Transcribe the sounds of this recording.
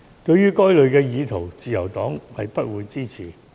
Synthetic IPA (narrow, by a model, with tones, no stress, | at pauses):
t̪ɵ˧ɥːyː˥kɔː˥jlɵ˨˧ɥkɛː˧jiː˨˧t̪ʰo˨˩wt͡siː˨jɐ̰˨˩wt̪ɔː˨˥ŋhɐ˨jpɐ˥t̚wuː˨˧jt͡siː˥t͡sʰiː˨˩